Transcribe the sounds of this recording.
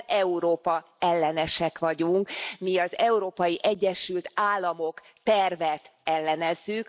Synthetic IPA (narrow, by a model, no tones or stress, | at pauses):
ɛuɾoːpɒ | ɛlːɛnɛʃɛkʋɒɟuŋkmiɒzɛuɾoːpɒjiʔɛɟːɛʃylt̪aːlːɒmo̞k | t̪ɛrvɛt̪ɛlːɛnɛzːyk